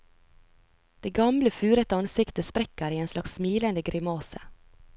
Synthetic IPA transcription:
d̪̥eːɡɑmləfʉːɾət̪əɑnsɪkt̪əspɾɛkəɾiːeːnslɑkssmiːlənd̪əɡɾɪmoːsə

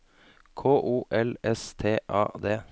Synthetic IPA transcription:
kʰoːʔuːʔɛlɛst̪ʰeːʔɑːd̪eː

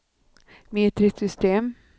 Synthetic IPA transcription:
meːt̪ɾɪsʏst̪eːm

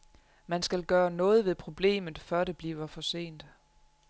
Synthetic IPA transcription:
mænsɡ̥ælɡ̥ɶːɐnɔ̽ːð̞̩ˠʋe̝ðˠpʰʁo̝b̥le̝̰ːmð̩ˠfɶɐ̰d̥e̝b̥liːʊɐfɒ̽se̝̰ːnd̥

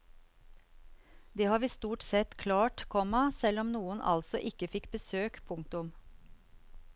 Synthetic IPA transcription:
d̪eːhɑːɾʋiːst̪uːʈsɛt̪kʰlɑːʈkʰɔmɑsɛlɔmnuːənʔɑ̰lsɔ̰ʔɪkəfɪkbəsøːkpʰʊŋ̚t̪ʊm

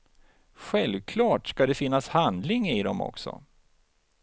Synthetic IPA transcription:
ɧɛlvkʰlɑːʈskad̪ɛfɪnːashand̪lɪŋɪd̪ɔmɔ̰ksɔ̰

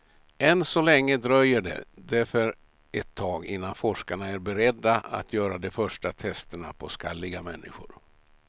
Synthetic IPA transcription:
ʔɛnsɔlɛŋːəd̪ɾœjːəɖɛ̰d̪æɾfœɾ | ɛt̪ʰːɑːɡɪ̰nːanfɔʂkaɳaæɾbɛɾɛd̪ːaa̰t̪ʰjœːɾad̪ɔfœʂʈat̪ʰɛst̪əɳapʰɔskalːɪɡamɛnːɪ̰ɧʊ̰ɾ

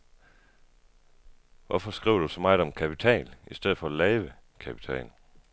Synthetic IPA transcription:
ʋʔɒfɒ̽sɡ̥ʁiʊ̰d̥usɒmɑ̈ɪdɒ̽mkʰæpʰit͡sʰɛ̰ːlisd̥eð̰ˠfɒ̽lɛːʋəkʰæpʰi̥t͡sʰɛ̰ːnl

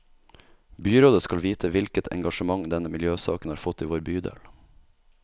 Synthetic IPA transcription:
byːɾoːd̪əskɑlʋiːt̪ʰəʋɪlkət̪ʰɛ̰ŋɡɑʃəmɑŋd̪ɛnəmɪljøːsɑ̰ːknɑːɾfɔt̪ːiːʋoːɾbyːd̪ḛːl

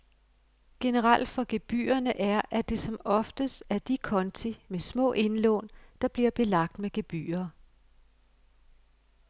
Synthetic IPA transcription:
ɡ̥e̝nəʁɑl̰d̥fɒ̽ɡ̥e̝b̥y̰ːɐnəʔæɐʔæd̥e̝sɒ̽mɒ̽fd̥əsæɐd̥ikʰɒ̽nt͡sʰimesmɔ̰̽ːʔe̝nlɔ̰ːnd̥ɑ̈b̥liɐb̥e̝lɑ̈ɡ̥̚d̥meɡ̥eb̥y̰ːɐː

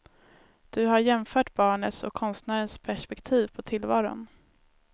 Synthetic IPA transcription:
d̪̥ɵɦaɾjɛmfœːʈbɑːɳət̪sɔ̰kʰːɔnst̪næːɾənspʰæʂpɛkt̪ʰiːvpʰɔt̪ʰɪlvɑːɾʊ̰n

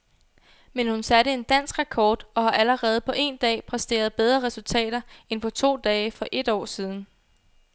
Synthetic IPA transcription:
menhunsæɾəe̝nd̥æn̰sɡ̥ʁɑkʰɒːd̥ɒ̽hɑ̈ʔæləʁɛːð̞̩ˠpʰɒ̽ʔe̝̰nd̥ɛ̰ːpʰʁɛsd̥e̝̰ːɐð̞ˠb̥eð̞ˠʁɐʁɛsult͡sʰɛ̰ːɾ̥ɐenpʰɒ̽t͡sʰo̝̰ːd̥ɛːɪfɒ̽ʔe̝d̥ɒ̰ːsiːð̞ˠn̩

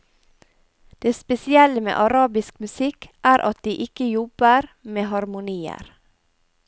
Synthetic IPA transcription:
d̪̥eːspɛsɪɛləmḛːʔɑɾɑːbɪskmʉsɪkʔæːɾʔɑ̰t̪̚d̪iːʔɪkəjɔbəɾmeːɦɑɾmʊniːə̰ɾ

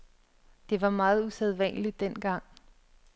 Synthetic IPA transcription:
d̥e̝ʋɑ̈mɑ̈ːð̞̩ˠuseð̞ˠʋæn̰li̥ːen̰ɡ̥ɑ̈ŋ̰

